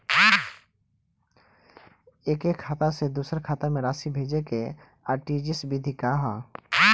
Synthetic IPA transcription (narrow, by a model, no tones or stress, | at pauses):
eːkeːkʰːaːt̪ased̪uːsəɾkʰaːt̪amẽɾaːʃibʱeːd͡ʒeke | aːʈiːd͡ʒɪsbid̪ʱikaːɦaː